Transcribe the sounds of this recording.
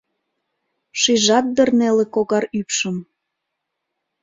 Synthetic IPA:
ʃiʒɑt̪̚d̪ərnelekoɣɑɾypʃəm

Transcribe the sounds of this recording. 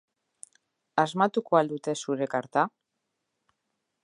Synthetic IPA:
azmat̪ukoald̪ut̪e̞suɾe̞kaɾt̪a

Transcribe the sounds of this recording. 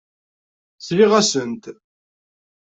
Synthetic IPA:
sliʁæsənt̪

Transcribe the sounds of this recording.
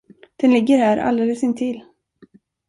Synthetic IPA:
d̪̥ɛnlɪɡːəɾhæːɾʔa̰ld̪eːləsɪnt̪ʰɪlː

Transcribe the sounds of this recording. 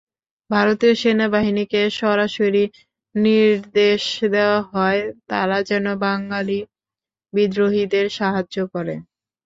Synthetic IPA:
bʱaɾot̪ioʃenabaɦinikeʃɔɾaʃoɾi | niɾd̪eʃd̪eoaɦɔet̪a̰ɾad͡ʑɛnobaŋɡali | bid̪ɾoɦid̪eɾʃaɦaːokɔɾḛ

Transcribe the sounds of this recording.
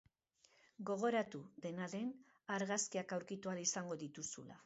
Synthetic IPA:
ɡo̞ɣ̞o̞ɾat̪uðe̞naðe̞n | aɾɣaskiakawɾkit̪ualisaŋɡo̞ðit̪usṵla̰

